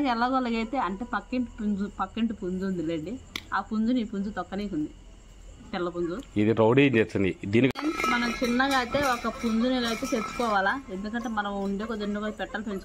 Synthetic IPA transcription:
kɛlːaːɡɔlɐɡɐjt̪e̞ːɐɳʈe̞ːpɐkːeɳʈpund͡ʒupɐkːeɳʈupund͡ʒuːnd̪ileːɳɖiaːpund͡ʒuniːpund͡ʒut̪ɔkːɐniːt͡ʃund̪i | t̪ɛlːɐpund͡ʒuid̪iɾɐwɖid͡ʒet͡ʃːɐnd̪id̪iːnikmɐnɐmt͡ʃinːɐɡaːt̪e̞ːɔkɐpund͡ʒunilɐjt̪eːtet͡ʃːu̥kɔːʋaːlaːe̞nd̪ukɐɳʈeːmɐnɐmuɳɖeːkod͡ʒɐɾɳɖubɐpɛʈːɐlpensu

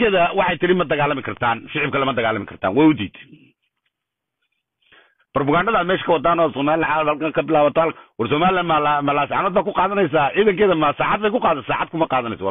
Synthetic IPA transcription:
kʰɛːðɐwɑħɑjt̪ʰɪɾɪmɐd̪ɐɣaːlːɐmɪkʰɐrt̪ʰaːnfɪʕɪb̚kʰɐlɐmɐd̪ɐɣaːlːɐmɪkʰɐrt̪ʰa̰ːnwɛjʊd̪ḭːt̪ʰ | b̥ɔrbʊɣaːɳɖɐðaːmɛːʃkʰɐwɑd̪aːnɔːsɔːmaːlɪlaʕaɐhɐlkaŋkʰɐbɪlaːβɐt̪ʰɔhɐlkwɐrsɔmaːlɪlaːnmalmɐlaːsʕanɔːd̪̚baːkʰʊqɑːðɐnɛjs̬aːʔiːðɐŋkɛːðɐmɐsaːʕɑd̪̚bɛjkʊqɑːd̪ɐsaːʕɑd̪̚kʰʊmɐqɑːðɐnɛ̰jsɔw

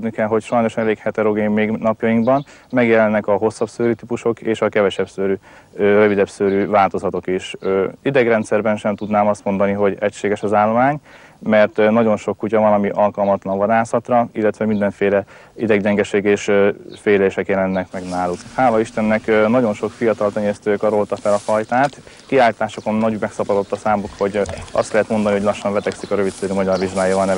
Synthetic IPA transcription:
d̪nikɛlɦo̞cʃɒjno̞ʃɛleːkhɛt̪ɛɾo̞ɡeːmːeːɡnɒpjɒjiŋɡbɒn | mɛɡjɛlɛnːɛkɒɦo̞sːɒbsøːɾyt̪ipuʃo̞keːʃɒkɛvɛʃɛbsøːɾy | ørø̞vid̪ɛbsøːɾyvaːlt̪o̞zɒt̪o̞kiʃøid̪ɛɡrɛnt̪sɛrbɛnʃɛmt̪ud̪naːmɒst̪mo̞nd̪ɒniɦo̞ɟɛcʃeːɡɛʃɒzaːlːo̞maːɲ | mɛrt̪nɒɟo̞nʃo̞kːucɒvɒnɒmiʔɒlkɒlmɒt̪lɒɱvɒd̪aːsɒt̪rɒilːɛt̪ʋɛmind̪ɛɱfeːlɛ | id̪ɛɡɟɛŋɡɛʃeːɡeːʃfeːleːʃɛkjɛlɛnːɛkmɛɡnaːlukhaːlɒiʃt̪ɛnːɛknɒɟo̞nʃo̞kfijɒt̪ɒlt̪ɛɲest̪øːkɒɾo̞lt̪ɒfɛlɒfɒjt̪aːt̪ | kiaːlit̪aːʃoko̞nːɒɟmɛksɒpɒd̪o̞t̪ːɒsaːmukho̞ɟɒ̰st̪lɛɦɛt̪mo̞nd̪ɒniɦo̞ɟlɒʃːɒɱvɛt̪ɛksikɒɾø̞vit̪seːɾymɒɟɒrviʒɡaːjavɒlnɛ

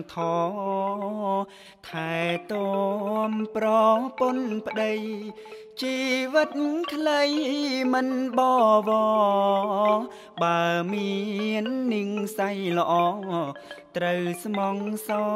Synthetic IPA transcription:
t̪ʰɑː | t̪ʰaɛt̪omprɔponpə̆ɗəj | t͡ɕiːʋɨt̪̚kʰləjmɨnɓɑːʋɔ | ɓaəmiənːɨəŋsajlə̆ʔɑː | t̪rəwsmɑŋsɑ

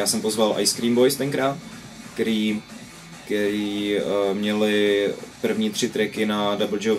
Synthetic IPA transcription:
jaːsɛmpozvalʔa̰jskɾiːmbo̞jst̪ɛŋkɾaːt̪ | kɛɾiː | kɛɾiːmɲɛlɪpr̩vɲiːt̪r̥ɪt̪ɾɛkɪnadabl̩d͡ʒɛw

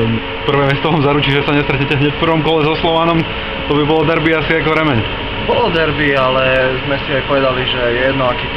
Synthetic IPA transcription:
pr̩ʋɛːmɪɛst̪ɔʋaːmzaɾut͡ʃiːʒɛsaɲɛst̪ɾɛt̪ɲɛcɛɦɲɛcfpr̩ʋɔmkɔlɛzɔslɔʋaːnɔm | t̪ɔbibɔlɔd̪ɛɾbiasiakɔʋɾɛmɛɲ | bɔlɔd̪ɛɾbialɛzmɛsiajpɔʋɛd̪aliʒɛjɛjɛd̪nɔakiː

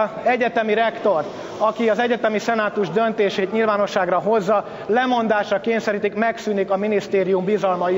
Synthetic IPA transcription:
ɛɟɛt̪ɛmiɾɛkt̪o̞rt̪ | ɒkiɒzɛɟɛt̪ɛmisɛnaːt̪uʒd̪ønt̪eːʃeːt̪ɲilvaːno̞ʃːaːɡrɒɦo̞zːɒ | lɛmo̞nd̪aːʃrɒkeːɲsɛɾiːt̪ikmɛksyːnikɒminist̪eːɾijumbizɒlmɒ

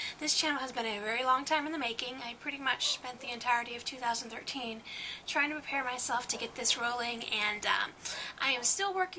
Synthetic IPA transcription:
ðɪst͡ʃʰæ̃ñl̩ˠəzbɨ̃ɾ̃ɨvɛɹilɔ̃ŋtʰãɪ̃m̃nðɨmeɪkɪ̃ŋaɪpʰɹ̥ɪɾimʌt͡ʃspɛ̃nðiɨ̃ntʰaɪə˞ɾiʌv̥tʰʉθaʊzn̩θɜ˞tʰĩntʰɹ̥aɪɪ̃ŋtʰɨpʰɹ̥pʰɛɹmaɪsɛlˠftʰɨɡɛt̪̚ðɪsɹoʊlˠɪ̃ŋɨ̃nʌ̰ʔaɪɨ̃mstɪlˠwɜ˞kɪ̃

